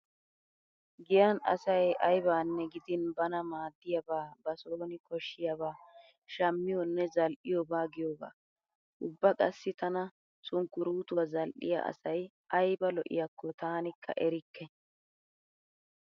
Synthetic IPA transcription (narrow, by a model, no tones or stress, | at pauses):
ɡɪjɐnɐ̰sɐjɐjbaːnːɛɡɪd̪ɪnbɐnɐmaːd̪ːɪjɐbaːbɐsoːnɪkɔʃːɪjɐbaː | ʃɐmːɪjɔnːɛzɐlʔɪjɔbaːɡɪjoba̰ː | ʔʊbːɐkʼɐsːɪt̪ɐnɐ | sʼʊŋkːʊɾuːt̪ʊwɐzɐlʔɪ̰jɐ̰ʔɐ̰sɐj | ʔɐjbɐlɔʔɪ̰jɐkːɔt̪aːnɪkʰːɐ̰ʔɛɾɪkːɛ